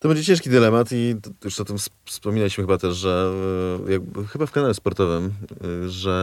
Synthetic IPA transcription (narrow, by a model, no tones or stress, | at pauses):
t̪ɔbɛɲd͡ʑet͡ɕɛ̃ʂkʲid̪ɘlɛmat̪itjuʂɔt̪ɘmfsspɔmʲinalʲiɕmɘxɘbat̪ɛʂʐɛ | jaɡ̚bxɘbafkanalɛspɔɾt̪ɔvɘmʐɛ